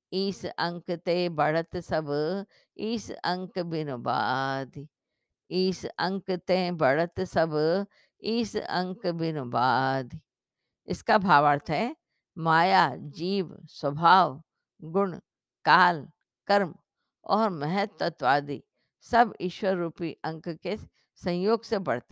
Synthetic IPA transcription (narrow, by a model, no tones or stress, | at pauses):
iːsɐ̃ŋkt̪ẽːbɐɽət̪sɐb | iːsɐ̃ŋkbɪnoba̰ːd̪ | iːsɐ̃ŋkt̪ẽːbɐɽət̪sɐb | iːsɐ̰̃ŋkbɪnbaːd̪ | ɪskabʱaːʋaːɾt̪ʰɦɛ | maːjad͡ʒiːʋswəbʱaːʋ | ɡʊɳ | kaːl | kɐɾm | ɔːɾmɐɦət̪ːət̪ʋaːd̪ḭ | sɐbɪʃwəɾːuːpiʔɐ̃ŋkke | sɐ̃jjoːɡsebɐɽt̪e